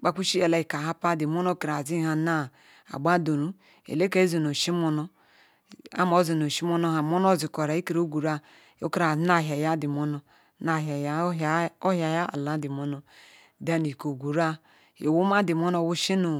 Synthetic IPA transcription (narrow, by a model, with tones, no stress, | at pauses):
k͡pa˨ku˦ʃi˦a˨la˨i˨ka˨ɦa˦pa˦di˨mo˦no˦ki˨ɾa˨zi˦ha˨na˦˨ | a̰˨ɡ͡ba˦do˨ɾu˦ | ḛ˨le˦ke˦zi˨no˨ʃi˦mo˦no˦ | a̰˦mo˨˦zi˨no˨ʃi˦mo˦no˦ha˨mo˦no˦˨zi˨ko˨ɾa˨i˦ki˨ɾo˦ɡu˨ɾa˦ | o̰˦ki˦a˨˦na˦˨ɦa˨ja˦di˨mo˦no˨˦ | na˨ɦa˨jo˦ɦja˨ja˦a̰˨la˨˦di˨mo˦no˦ | da˦ni˨ko˨ɡu˨ɾa˦ | o˨wu˦ma˦di˨mo˦no˦˨wu˦ʃi˦no˨